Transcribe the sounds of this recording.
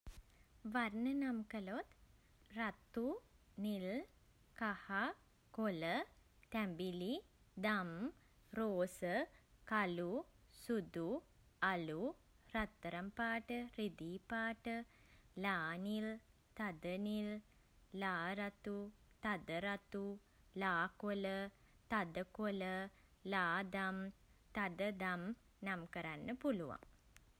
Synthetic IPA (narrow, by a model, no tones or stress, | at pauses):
ʋarnənamkəlot̪ | rat̪ːu | nil | kaha | kolə | t̪æmbili | d̪am | ɾoːsəkalu | sud̪u | alu | rat̪ːəɾampaːʈəɾid̪iːpaːʈə | laːnil | t̪ad̪ənilː | aːɾat̪u | t̪ad̪əɾat̪u | laːkolə | t̪ad̪əkoləlaːd̪amt̪ad̪əd̪am | namkəɾanːəpuluʋa̰ŋ